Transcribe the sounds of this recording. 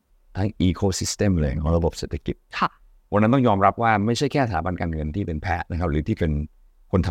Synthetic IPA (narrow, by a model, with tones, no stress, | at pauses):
t̪a˧˥˩ʔiː˧kʰoː˧si˦˥st̪e˥˩mle˨˩˨ŋʔɔ˧la˧bo˨˩p̚seː˨˩t̪ʰːa˧˥ki˨˩t̪̚kʰa˥˩ | wa˧na˦nt̪ɔ˥˩ŋjɔː˧mɾa˦˥p̚waː˥˩ma˥˩jt͡ɕʰa˥˩jkʰɛː˥˩t̪aaː˩˦ba˧nkaː˧nŋɤ˧nt̪ʰiː˥˩pe˧npʰɛ˦˥ʔna˦˩kʰa˦˥p̚ɾɯː˨˩˦t̪ʰiː˥˩ke˧n | kʰo˧nt̪ʰa˧